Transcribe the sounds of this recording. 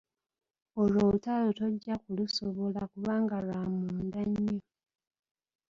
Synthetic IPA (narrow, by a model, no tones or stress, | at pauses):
olotaloto̞ɟːakulusoβo̞lakuβaːŋɡalamuːndaɲːo